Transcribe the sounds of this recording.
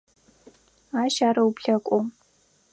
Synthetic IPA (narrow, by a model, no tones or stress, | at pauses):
aːʃaːɾɐwpɬɐkʷʼom